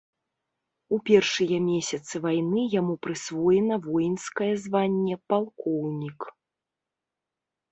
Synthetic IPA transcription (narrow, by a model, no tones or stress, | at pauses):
upʲɛrʂɨjɐmʲesʲɐt̪sɨvajnɨjamupɾɨsvɔjɛnɐvɔjinskɐjɛzvanʲːɛpalˠkɔwnʲik